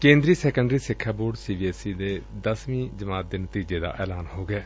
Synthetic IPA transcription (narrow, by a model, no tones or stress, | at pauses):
kẽːnd̪ɾiːsɛːkə̃ɳɖɾiːsɪkʰːaːboːɖsiːbiːɛːsiːd̪eːd̪əsmĩːd͡ʒəmaːt̪̚d̪eːnət̪iːd͡ʒeːd̪a̰ːʔɛ̰ːlaːnhoːɡɛː